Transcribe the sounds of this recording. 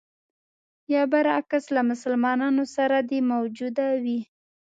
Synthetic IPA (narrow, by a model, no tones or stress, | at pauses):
jɑbaɾakaslamʊsalmɑnɑnosaɾad̪emawd͡ʒud̪awi